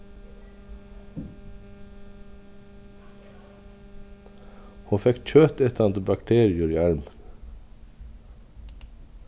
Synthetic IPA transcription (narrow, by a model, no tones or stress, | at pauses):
huːfɛkc͡çøːt̪ɛt̪ɑnd̪bɑkt̪ʰeːɾɪʉɾiːæɹmən